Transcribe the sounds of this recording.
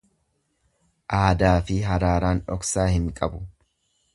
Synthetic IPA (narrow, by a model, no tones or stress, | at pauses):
ʔaːd̪aːfɪɦɐɾaːɾaːnᶑɔksaːhɪŋkʼɐbʊ